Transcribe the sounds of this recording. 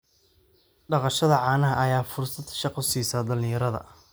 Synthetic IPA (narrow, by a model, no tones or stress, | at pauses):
ɖɑqɑʃɐðɐʕɑːnɐɦɐʔɐjaːfʊrsɐd̪ʃɑqɔsiːsaːd̪ɐlɪ̃jɐɾɐðɐ̰